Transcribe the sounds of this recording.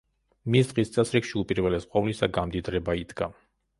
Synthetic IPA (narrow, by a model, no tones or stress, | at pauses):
misd̪̥ʁist̪sʼɛsɾikʃiupʼiɾvɛlɛsqʼɔvlisaɡamd̪id̪ɾɛbaid̪ɡa